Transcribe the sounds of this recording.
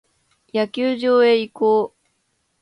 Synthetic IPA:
jakʲɨːʑo̞ːe̞ikoː

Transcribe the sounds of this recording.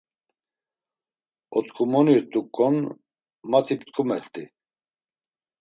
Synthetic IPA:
ɔt̪kʰumɔniɾt̪ʼukʼːɔn | mat͡sʰipt̪kʰʼumɛɾt̪ʼi

